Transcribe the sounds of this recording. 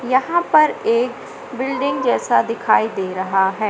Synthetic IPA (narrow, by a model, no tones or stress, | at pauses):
jɐɦãpɐɾeːk | bɪlɖɪ̃ŋɡd͡ʒɛːsad̪ɪkʰaːid̪eːɾɐɦaɦɛː